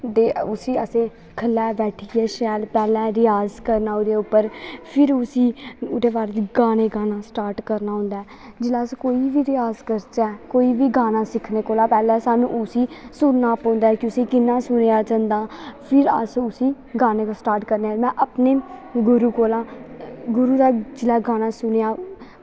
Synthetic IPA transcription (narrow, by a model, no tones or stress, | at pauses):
d̪eːʊsiːəsẽː | kʰəlːɛːbɛːʈʰiːɛːʃɛːlpɛːlɛ̃ːɾɪjaːzkəɾnaːʊd̪eːʊpːəɾpʰɪɾʊsĩːʊd̪eːʋaːɾd̪iɡaːneːɡaːnãːsʈaːɾʈkəɾnaːɦʊ̃ːnd̪aːɛ | d͡ʒɪlaːskoːiːʋiːɾɪjaːzkəɾt͡ʃɛːkoːiːʋiːɡaːnaːsɪkʰneːkoːlãːpɛːlɛ̃ːsaːnṵ̃ːʊsiːsʊɾnaːpɔ̃ːnd̪aːɛkoʊsiːkɪnːãːsʊnejaːd͡ʒənd̪aːpʰɪɾə̰sʊsĩː | ɡaːneːkasʈaːɾʈkəɾneaːmɛ̃ːʔəpneːɡʊɾuːkoːlãːɡʊɾuːd̪aːd͡ʒɪlaːɡaːnaːsʊnejaː